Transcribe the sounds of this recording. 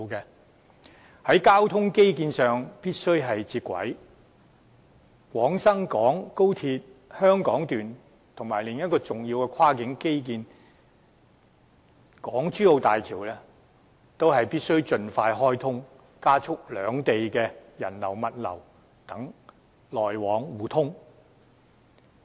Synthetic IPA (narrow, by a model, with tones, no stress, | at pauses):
kɛ˧ | hɐ˨˥jkaː˥wt̪ʰʊ˥ŋke˥jk̬iː˧nsœː˨ŋpiː˥t̚sɵ˥ɥɦɐ˨jt͡siː˧t̚kʷɐ̰˨˥j | kʷwɔː˨˥ŋsɐ˥ŋkɔː˨˥ŋko˥wt̪ʰiː˧t̚hœː˥ŋkɔː˨˥ŋt̪yː˨n | t̪ʰʊ˨˩ŋmaː˨˩jlɪ˨ŋjɐ˥t̚kɔː˧t͡sʊ˨ŋji˧wkɛ˧kʰaː˥kɪ˨˥ŋke˥jk̬iː˧n | kɔː˨˥ŋt͡ʃyː˥o˨˧wt̪aː˨jt̪ʰiː˨˩wlɛ˥ | t̪o˥wɦɐ˨jpiː˥t̚sɵ˥ɥt͡sɵ˧nfaː˧jɦɔː˥jt̪ʰʊ˥ŋ | kaː˥t͡sʰʊ˥k̚lœː˨˧ŋt̪e˨jkɛː˧jɐ̰˨˩nlɐ̰˨˩wmɐ˨t̚lɐ̰˨˩w | t̪ɐ˨˥ŋ | lɔː˨jwɔː˨˧˥ŋwuː˨˧t̪ʰʊ˥ŋ